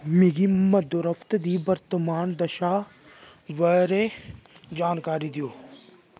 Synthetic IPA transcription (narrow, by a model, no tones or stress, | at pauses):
miɡimɐd̪ʊɾəft̪d̪iːbɐɾt̪əmaːnd̪ɐʃa | ʋɐɾe | d͡ʒaːnkaːɾid̪ijoː